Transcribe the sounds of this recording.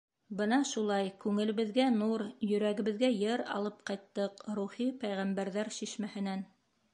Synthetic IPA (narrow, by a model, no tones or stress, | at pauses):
bɤnɑʃulˠɑjkʉŋɘ̆lɘ̆βɘ̆ðɡænuɾjɵ̆ɾæɡɘ̆βɘ̆ðɡæjɤɾɑ̰lˠɤp̚qɑjt̪ːɤqɾuχipæjʁæmbæɾðæɾʃiʃmæhɘ̆næn